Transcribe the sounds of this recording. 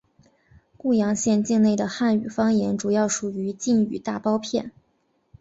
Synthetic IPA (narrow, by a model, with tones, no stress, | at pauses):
ku˥˩jɑ˧˥ŋɕjɛ˥˧nt͡ɕi˥˧ŋne˥˩ɪd̪ə˩xa˥˩ny˨˩fɑ˥ŋjɛ˧˥nʈ͡ʂu˨˩jɑ˥˩ʊʂu˨˩y˧˥t͡ɕi˥˩ŋy̰˨˩t̪a˥˩pɑ˥ʊpʰjɛ˥˩n